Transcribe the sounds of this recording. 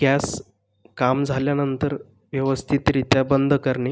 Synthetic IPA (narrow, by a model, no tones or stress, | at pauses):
kas | kamd͡zʱaljanənt̪əɾ | ʋjəʋəst̪ʰit̪ɾit̪jabənd̪ʱkəɾɳe